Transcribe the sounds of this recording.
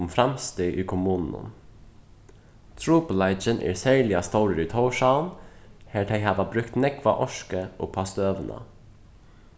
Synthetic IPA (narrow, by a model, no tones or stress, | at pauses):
mfɾɑmst̪eːʔiːkʰʊmʉːnn̩ə̰m | t̪ʰɾuːpəlɑɪd͡ʒənʔḛːɹsæɹlɪɑst̪oːɾəɾiːt̪ʰoːʃɑʊnheːʈʰeɪhɑːʋɑbɾʉkt̪nɛkʋɑ̰ʔɔʃkəʔo̰ːpʰɑst̪øːʋənʔə̰